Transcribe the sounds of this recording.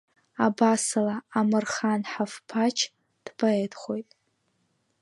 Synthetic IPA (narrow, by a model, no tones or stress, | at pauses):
abasɨlaːmɨrχanħafpʰat͡ʃʰ | d̥bʰaedʰχʷo̞jtʼ